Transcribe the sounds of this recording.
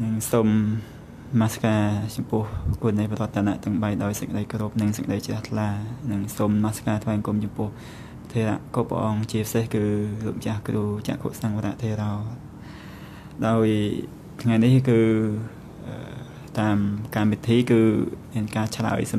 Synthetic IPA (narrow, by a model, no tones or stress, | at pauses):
nɨŋsomː | aːsḁkaːt͡ɕɑmpʊ̆əhkuənijpəɾŏət̪ːʰaːna̰ʔt̪ɨŋɓajɗaɔjsəkəɗəjkoɾup̚nɨŋsəkəɗəjt͡ɕraht̪ʰlaːnɨŋsomːaːsḁkaːt̪ʰʋaɛsŋkumt͡ɕɑmpʊ̆əh | t̪ʰeːɾa̰ʔkoːpːa̰ʔɑːŋt͡ɕiəpəsehkɨːlup̚t͡ɕahkruːt͡ɕa̰ʔkʰo̰əʔsaːŋʋaɾa̰ʔt̪ʰeːɾaː | ɗaɔj | t̪ʰŋajnihkɨː | ʔəː | t̪aːmkamʋit̪ʰiːkɨːmiənkaːt͡ɕʰla̰əjs